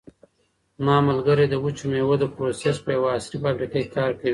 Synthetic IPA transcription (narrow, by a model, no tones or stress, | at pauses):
mɑmalɡaɾed̪əwut͡ʃumewod̪əpɾosespəjawaːsɾifabɾikekekɑɾkawi